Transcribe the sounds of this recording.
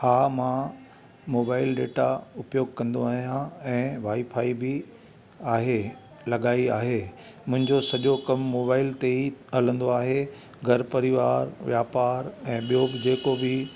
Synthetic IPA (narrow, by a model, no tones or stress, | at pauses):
haːmã | moːbaːɪlɖeːʈaʊpjoːɡ̚kɐ̃nd̪oaːɦijãɛ̃ːʋaːifʰaːibɪ | aːɦe | lɐɠaːiaːɦe | mʊ̃ɦɪ̃ɲd͡ʑosɐʄokɐmːoːbaːɪlt̪eiɦɐlə̃nd̪oaːɦe | ɡʱɐɾpɐɾɪʋaːɾʋjaːpaːɾɛ̃ːɓijobɪd͡ʑeːkobɪ